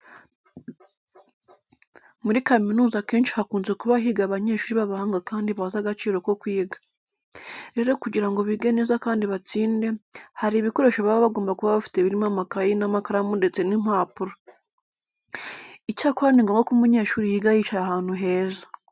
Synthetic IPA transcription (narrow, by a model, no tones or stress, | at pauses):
muɾikaminuːzake̞ːnʃi̥hakuːnze̞kuβaɦiɡaβaɲe̞ːʃuːɾiβaβahaːŋɡakaːndiβazaɡat͡ʃiːɾo̞ko̞kwiːɡḁ | ɾe̞ɾo̞kuɟiɾaŋɡo̞βiɡe̞ne̞zakaːndiβat͡siːnde̞haɾiβiko̞ɾe̞ʃaβaβoβaɡoːmbakuβaβafi̥teβiɾimamakajinamakaɾamunde̞t͡se̞nim̥haːpuɾa | icaːkoɾaniŋɡoːŋɡokumuɲe̞ːʃuːɾijiːɡahit͡ʃahaːn̥huɦe̞ːza